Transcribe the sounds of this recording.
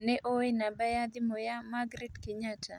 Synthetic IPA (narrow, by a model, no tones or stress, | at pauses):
nɛʔoenabɛjad̪ɪmojamaɡɾidkɪɲatʰa̰